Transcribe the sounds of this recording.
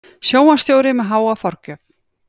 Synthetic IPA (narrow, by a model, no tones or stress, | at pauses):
sjoːwmast̪joːwɾɪmɛðɦaːwafɔɾ̥cʏf